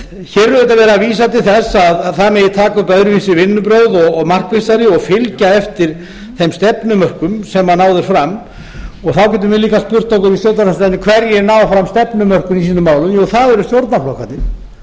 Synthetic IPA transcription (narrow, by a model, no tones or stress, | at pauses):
çɛːɾʏðʏt̪avɛːɾaviːs̬at̪ɪlθɛsaðθaðmɛjɪt̪ʰaːkʏpœðɾvisɪvɪnːʏpɾowðɔɣɔɣmar̥kvɪsaɾɪɔɣfɪlcaɛft̪ɪɾ̥ | θemst̪ɛpnʏmœr̥kʏmsɛmːanaːwðɪɾ̥fɾam | ɔɣθawcɛːt̪ʏmvɛliːkaspʏr̥t̪ːowkʏɾist̪jowɾt̪nalasat̪nɪkʰvɛɾjɛɾnaːwvafɾamst̪ɛpnʏmœr̥kʏmisiːnʏmaːwlʏmjowθaðɛɾʏst̪jowɾt̪naflowhkat̪ɪl